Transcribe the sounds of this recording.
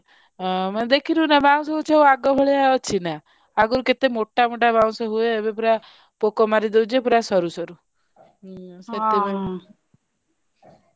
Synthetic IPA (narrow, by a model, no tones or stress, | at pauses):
md̪ekʰiɾunabaw̃sɔɦt͡ʃʰaoaɡɔbʱɔɭejaɔt͡ʃʰina | aɡɔɾuket̪emoʈːamoʈabaw̃sɔɦueːbepuɾa | pokɔmaɾid̪ewd͡ʒʰepuɾasɔɾusɔɾu | set̪iba